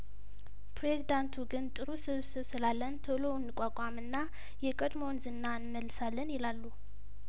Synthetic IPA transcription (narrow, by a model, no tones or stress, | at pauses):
pɾezid̪ant̪ʰuɡɨnt̪ʼɨɾusɨβsɨβsɨlalːənt̪ʰəlo̞nːɨkʼːakʼamɨnːa | jɛkʼəd̪mo̞nzɨnːanməlːɨsalːənjɛlalːu